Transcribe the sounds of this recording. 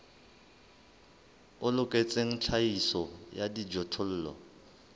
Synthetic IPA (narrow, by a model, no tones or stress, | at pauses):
ʊlʊkʼet͡sʼeŋ̩t͡ɬʰaisɔjadid͡ʒɔtʰʊl̩ːlɔ̰